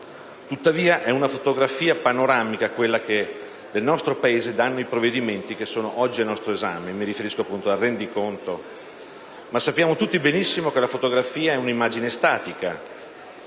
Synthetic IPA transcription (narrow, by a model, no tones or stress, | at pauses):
t̪ut̪ːaviːaʔɛunafot̪oɡɾafiːapanoɾaːmikakwelːake | d̪elnɔst̪ɾopaeːzed̪anːoipɾovːed̪iment̪ik̟esːoːnoʔɔd͡ʒːianɔst̪ɾoeza̰ːmemiɾifeɾiskoapːunt̪oarːɛnd̪ikont̪o | masːapːjaːmot̪ut̪ːibenisːimokelafot̪oɡɾafiːaɛunimːaːd͡ʒinest̪aːt̪ika